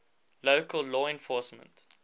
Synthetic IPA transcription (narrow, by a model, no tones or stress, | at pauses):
loʊkəlˠlɔːɛ̃nfɔːˑsmə̰̃nt